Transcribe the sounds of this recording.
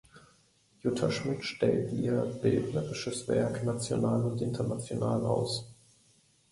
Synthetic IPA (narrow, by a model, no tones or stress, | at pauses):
jʊtʰaʃmɪtʃtɛltiːɐb̥ɪltnəʁɪʃəsv̥ɛ̰ɐknat͡sjo̰naːlʊntʔɪntʰɐnat͡sjonaːla̰ʊs